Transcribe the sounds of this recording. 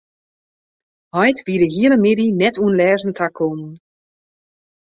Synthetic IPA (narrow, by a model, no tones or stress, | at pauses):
hɔjtʋidəɦiələmɪdinɛtuənlɛːzn̩tʰakʰːonn